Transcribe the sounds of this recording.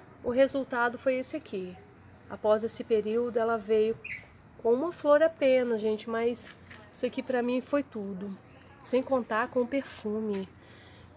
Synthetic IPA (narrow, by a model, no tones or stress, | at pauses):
ʊɦezuwt̪ad̪ʊfojesɪakʰi | a̰pɔzesɪpeɾiwd̪ʊɛlɐvejʊ | kõũmɐfloɾapẽnɐʒẽnt͡ʃɪmɐsisakipɾɐmĩfojt̪ud̪ʊ | sẽj̃kõnt̪aɾkõʊ̃peɾfũmɪ